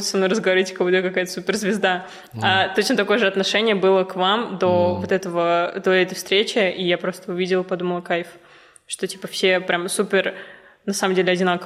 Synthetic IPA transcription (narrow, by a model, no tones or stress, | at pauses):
səmnuɾəzɡəvɐɾʲitʲkɐvod̪ʲəkɐkajət̪əsupʲɪrzvʲɪzd̪a | at̪o̞t͡ɕnt̪ɐko̞jəʐɨɐt̪nɐʂɛnʲɪjəbɨlˠəkvamd̪o̞vot̪ɛt̪əvəd̪o̞ɛt̪əjfst̪ɾʲet͡ɕɪʔijapɾo̞st̪əʊvʲidʲɪlˠpɐd̪uməlˠɐkajf | ʂt̪o̞tʲi̥pəfsʲe̞pɾʲʔamsupʲɪr | nɐsaməmdʲelʲɪɐdʲɪnakə